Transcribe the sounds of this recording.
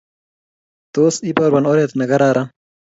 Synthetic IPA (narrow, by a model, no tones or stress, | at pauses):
t̪oːsipɐɾbɐnoːɾet̪nɐɡɐɾaːɾan